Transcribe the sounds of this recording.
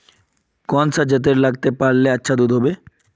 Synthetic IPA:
kɔnsad͡ʑət̪̬eɾlaɡt̪epaɾleatːɕʰad̪ud̪ʱɦɔbe

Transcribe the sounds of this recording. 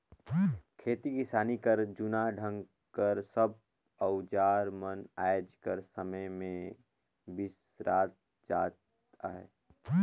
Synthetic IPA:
kʰeːt̪ikisaːnikəɾd͡ʒʊnaɖʱə̃ŋɡ | kəɾsəb̚ | əʊd͡ʒaːɾmənajd͡ʒkəɾsəməjmẽ | bis | ɾaːt̪̚ | d͡ʒaːt̪ | aɦɛ̰ː

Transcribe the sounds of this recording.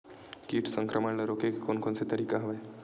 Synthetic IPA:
kiːʈʰsəŋkɾʔəməɳləɾokekkonkonset̪əɾikaɦɐʋaj

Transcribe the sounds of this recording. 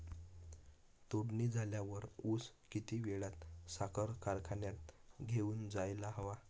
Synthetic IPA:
t̪oɽnid͡zʱaljaʋəɾus | kit̪iːʋeɭat̪sakəɾkaɾkʰanjat̪̚ɡʱeuːnd͡zajlaɦəʋa

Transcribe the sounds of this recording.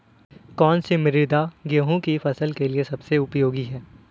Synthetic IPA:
kɔːnsemɪɾɪd̪aɡeɦũkifɐsəlkeliesɐbseʊpjoːɡiɦɛː

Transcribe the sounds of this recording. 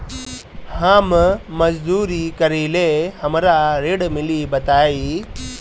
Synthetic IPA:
hãːmmɐd͡ʒd̪uːɾiːkəɾiːlehɐmɾaɾeːɽmiliːbɐt̪aːiː

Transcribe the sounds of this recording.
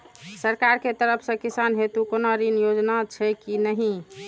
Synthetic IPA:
səɾkaɾket̪əɾəpʰsə̃kisanɦet̪ukonaɾinjod͡ʒnat͡ʃʰɛkinəɦĩ

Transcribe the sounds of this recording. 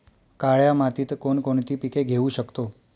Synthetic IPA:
kaɭjamat̪it̪konkoɳt̪ipikeɡʱeʋũʃəkt̪o

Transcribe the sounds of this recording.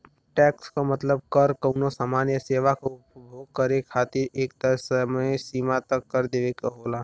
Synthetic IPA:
ʈɛːkskomət̪ləb̚kəɾkəʊnosaːmaːnjəseːʋakoʊpbʱoːɡ̚kəɾekʰaːt̪ɪɾeːkt̪əsəməsiːmat̪əkːəɾd̪eːʋekoɦoːlaː

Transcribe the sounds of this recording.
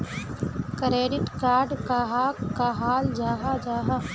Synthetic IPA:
kɾeːɖɪʈkaːɾɖkaɦaːkkaɦaːld͡ʒaːɦad͡ʒaːɦa

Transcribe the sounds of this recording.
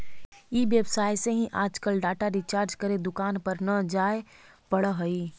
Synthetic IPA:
ibjəbsaːjseɦĩʔaːd͡ʒkəlɖaːʈaɾit͡ʃaːɾd͡ʒkəɾed̪ʊkaːnpəɾnəd͡ʒaːe | pɐɽəɦəi

